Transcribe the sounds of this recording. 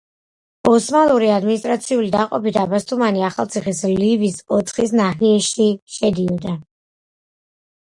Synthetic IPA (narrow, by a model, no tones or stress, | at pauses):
ɔsmalˠuɾiad̪minist̪ʼɾat̪sʰiulid̪aqʼɔpid̪abast̪ʰʼumaniaχalˠt̪sʰiχislivisɔt̪χisnahiɛʃiʃɛd̪iɔd̪a